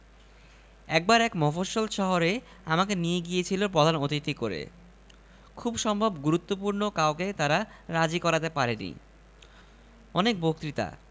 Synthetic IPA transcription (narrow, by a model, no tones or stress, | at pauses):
ɛk̚baɾɛkmɔfoʃolʃɔɦoɾe | amakenijeɡijet͡ɕʰilopɾod̪ʱanot̪it̪ikoɾḛ | kʰubʃɔmbʱobɡuɾut̪ːopuɾnokaoket̪aɾaɾad͡ʑikɔɾat̪epaɾenḭ | ɔnek̚bok̚t̪ɾit̪a̰